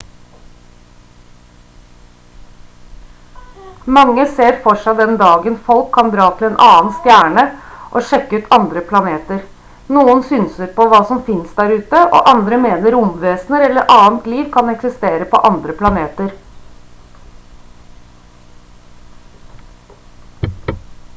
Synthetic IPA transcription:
mɑŋːəseːɾfɔʂæɪd̪ɛnd̪ɑːɡənfɔlkʰːɑnd̪ɾɑːt̪ʰɪleːnʔɑːnst̪jæːɳəʔoːʃɛkːəʉːt̪ʰɑnd̪ɾəpʰlɑneːt̪əɾ | nuːənsʏːnsəɾpɔʋɑːsɔmfɪnsd̪æːɾʉːt̪əʔo̰ːʔɑnd̪ɾəmeːnəɾʊmʋeːsnəɾɛlːəɾʔɑːənt̪liːʋkʰɑnɛksɪst̪eːɾəpɔ̰ʔɑnd̪ɾəpʰlɑneːt̪əɾ

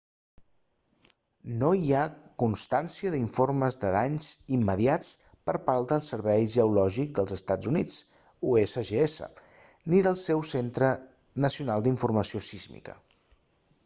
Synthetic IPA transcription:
noiakunst̪ansiəðiɱforməzðəðaɲzimːəðiat͡s | pəɾpalˠd̪əlˠsəɾβɛjʒəulɔʒik̚d̪əlˠzəst̪ad͡zunit͡s | uesəʒeesə̰ | niðəlˠsɛwsent̪ɾə | nəsiunalˠd̪iɱfurməsiosizmḭkə̰

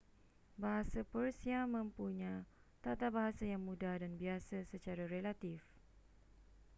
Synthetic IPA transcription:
baɦasapərsiamə̃mpuɲã | t̪at̪abaɦasajaŋmũdahdanbiasasət͡ʃaɾaɾelat̪if

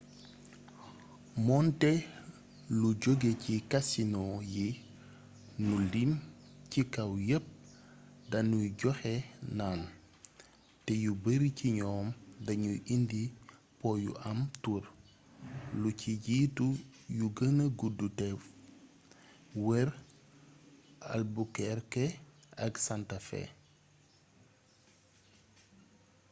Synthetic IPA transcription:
mɔntɛ | luɟoɡecikasinɔji | nulimcikawjəp̚dɐnuɟɔxenaːn | tɛjubəɾiciɲɔːmdɐɲuʔindipɔjṵʔɐmtuɾ | luciɟitujuɡənɐɡudutɛf | wɛɾ | a̰lbukɛɾkeɐɡsantafɛ̰

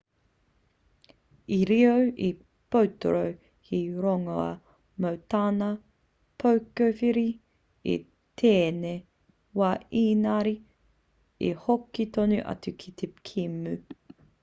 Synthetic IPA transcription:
iɾiowʔi | powto̰ɾow | hiɾoŋoɐ̰ | mowtaːnɐ | pʰowkofiɾi | ḭ | tʰeːne | waːiːnaɾi | ḭhokitonʉʔɐ̰t͡sʉkʰit̪ʰekʰimʉ

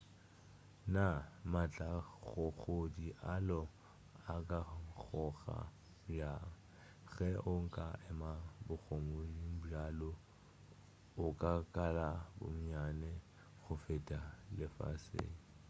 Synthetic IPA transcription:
namat͡ɬʼaɣʊɣodiʔalɔ | akʼak͡xɔɣa̰ | ja | ɣɛʔʊŋ̩kʼaʔɛmabʊɣʰomodim̩balo | ʊkʼakʼalabʊ̰m̩ɲanɛ | ɣʊfetʼalɪfa̰sḛːŋ̩

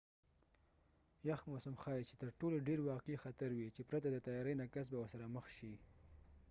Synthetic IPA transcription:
jaxmosamxɑjt͡ʃet̪əɾʈoloɖeɾwɑqixat̪aɾwit͡ʃepɾat̪ad̪ət̪ajɑɾəjnakas̬bawəɾsaɾaməxʃi

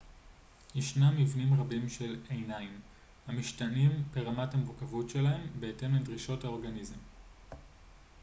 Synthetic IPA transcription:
jeʃnamːivnimʁabimʃe̞lejnaim | hamiʃtanimpeʁamathameʁkavutʃe̞lae̞mbe̞ete̞mledʁiʃo̞thao̞ʁɡanizem

